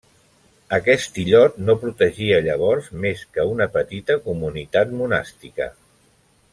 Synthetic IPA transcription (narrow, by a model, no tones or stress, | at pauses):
əkɛst̪iʎɔt̪nopɾut̪əʒiəʎəβ̞ɔɾzmeskəunəpət̪it̪əkumunit̪at̪muna̰st̪ikə̰